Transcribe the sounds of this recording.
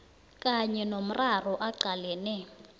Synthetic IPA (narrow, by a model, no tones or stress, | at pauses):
kʼaɲɛnom̩rarɔʔaɡ͡ǀʱalɛːnɛ